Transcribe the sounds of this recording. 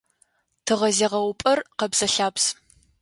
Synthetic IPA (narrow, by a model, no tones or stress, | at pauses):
tʰɨʁɐzeːʁɐwʊpʼɐrqɐbz̥ɐɬaːps